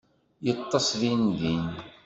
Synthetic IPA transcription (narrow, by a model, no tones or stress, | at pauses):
jət̪ˤːɑsˤðinðin